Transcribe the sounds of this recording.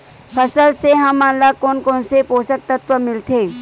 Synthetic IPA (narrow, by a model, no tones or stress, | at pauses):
pʰəsəlseɦəmanlakoːnkoːnsepoːsək̚t̪ət̪ʋəmɪlt̪ʰe